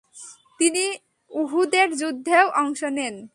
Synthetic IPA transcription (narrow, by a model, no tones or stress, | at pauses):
t̪ini | uɦud̪eɾd͡ʑud̪ʱːewʔɔŋʃonen